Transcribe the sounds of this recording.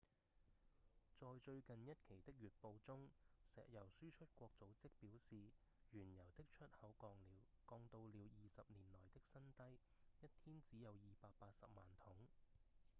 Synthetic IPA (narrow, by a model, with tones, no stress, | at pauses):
t͡sɔː˨˧jt͡ʃɵ˧ɥkɐ˨njɐ˥t̚kʰe˨˩jt̪ɪ˥k̚ɥyː˨t̚po˧wt͡sʊ˥ŋsɛ̰ː˨k̚jɐ˨˩wsyː˥t͡ʃʰɵ˥t̚kʷɔː˧k̚t͡so˨˥wt͡sɪ˥k̚piː˨˥wsiː˨ | jyː˨˩njɐ˨˩wt̪ɪ˥k̚t͡ʃʰɵ˥t̚hɐ˨˥wkɔː˧ŋliː˨˧wkɔː˧ŋt̪o˧wliː˨˧wjiː˨˧sɐ˨p̚niː˨˩nlɔː˨˩jt̪ɪ˥k̚sɐ˥nt̪ɐ˥j | jɐ˥t̚t̪ʰiː˥nt͡siː˨˥jɐ˨˧wjiː˨paː˧k̚paː˧t̚sɐ̰˨p̚maː˨˩nt̪ʰʊ˨˥ŋ